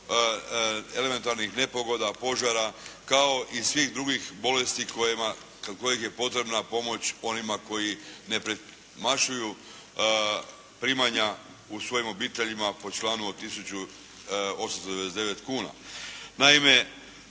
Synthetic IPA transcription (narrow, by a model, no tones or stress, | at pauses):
e̞leme̞nt̪aɾnixne̞po̞ɡo̞d̪apo̞ʒaɾakao̞ʔisʋixd̪ɾuɡixbo̞lest̪ika | kko̞jixje̞po̞t̪ɾe̞bnapo̞mo̞t͡ɕo̞nimako̞jine̞pɾe | maʃuju | pɾimaɲa | usʋo̞jimo̞biːt̪e̞ʎimapo̞t͡ʃlaːnuot̪isut͡ɕu | o̞samst̪od̪eesd̪e̞ʋe̞t̪kuːna̰naime̞